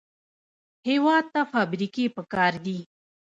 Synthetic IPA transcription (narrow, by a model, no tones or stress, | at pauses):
hewɑd̪̚t̪afɑbɾikepəkɑɾd̪i